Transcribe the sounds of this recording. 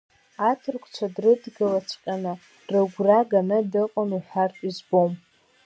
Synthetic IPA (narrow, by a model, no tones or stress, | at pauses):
atʰɨrkʷʰʼt͡ʃʷʰadrɨdɡɨlat͡ʃʷʰqʲʼanɨ | rɨɡʷraɡanɨdɨqʼaniħartʼizbom